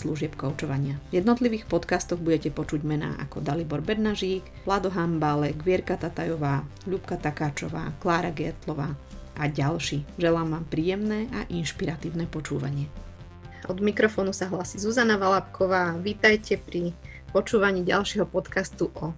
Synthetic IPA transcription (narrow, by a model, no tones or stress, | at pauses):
sluʒɪɛpkɔʊt͡ʃɔʋaɲɪavjɛd̪nɔt̪liʋiːxpɔt̪kast̪ɔɣbuɟɛcɛpɔt͡ʃuɟmɛna̰ːʔa̰kɔd̪alibɔɾbɛd̪naʒiːk | ʋlad̪ɔɦambalɛɡʋɪɛɾkat̪at̪ajɔʋaːʎupkat̪akaːt͡ʃɔʋa̰ːklaːɾaɡɛt̪lɔʋaː | ʔaɟalʃiːʒɛlaːmʋaːmpɾiːjɛmnɛːʔaʔinʃpiɾat̪iːʊnɛpɔt͡ʃuːʋa̰ɲɪɛ | ɔd̪mikɾɔfɔːnusaɦlasizuzanaʋalapkʰɔʋaːʋiːt̪ajcɛpɾi | pɔt͡ʃuːʋaɲiːɟa̰lʃɛɦɔpɔt̪kast̪uʔɔ